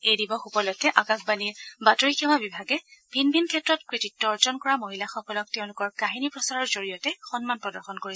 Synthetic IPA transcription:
ejdibɔxupɔlɔjtːɛʔakaxbaniɹbatoɹikʰɛmabibʱaɡɛb̥ʱinbʱinkʰɛtɹɔtkɹititːɔɔɹzɔnkɔɹamoɦilaxɔkɔlɔk̚tɛʊ̃lʊkɔɹkaɦinipɹɔsaɹɔɹzoɹijɔtɛxɔnmanpɹɔdɔɹxɔnkoɹis

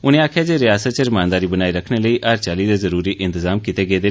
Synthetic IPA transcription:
ʊñẽaːkʰjad͡ʒeɾɪjaːsət̪̚t͡ʃəɾmãːnd̪aːɾiːbənaːiɾəkʰɽ̃eləiːʔaːɾt͡ʃaːlid̪ezəɾuːɾiʔɪ̃nt̪ɪzaːmkɪt̪eɡeːd̪eː

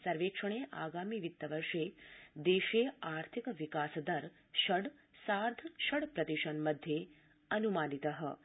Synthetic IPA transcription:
sɐɾʋeːkʂɐɳ̃eʔa̰ːɡaːmiʋit̪ːɐʋɐɾʂed̪eːʃeaːɾt̪ʰikʋikaːsd̪ɐɾ | ʃɐɽsaːɾd̪ʱəʃɐɽpɾɐt̪iʃɐnmɐd̪ʱːje | ɐnumaːnit̪ɐɦə

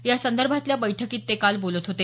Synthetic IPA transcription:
jasənd̪əɾbʱat̪ljabəjʈʰəkiːt̪ːekalbolət̪ɦot̪e

